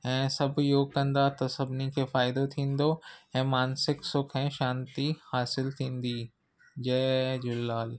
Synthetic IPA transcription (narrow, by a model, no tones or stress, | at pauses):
ɛ̃ːsɐbjoːɡ̚kɐ̃nd̪at̪ɐsɐbnikʰefaːɪd̪ot̪ʰĩːnd̪oɛ̃ːmaːnsɪksʊkʰɛ̃ʃãːnt̪ihaːsɪlt̪ʰĩːnd̪iː | d͡ʒɛːd͡ʒʊlːaːl